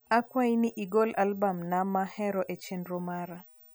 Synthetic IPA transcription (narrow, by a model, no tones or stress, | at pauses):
akwainiʔiɡolalbamnamahɛɾɔʔet͡ʃenɾomaɾa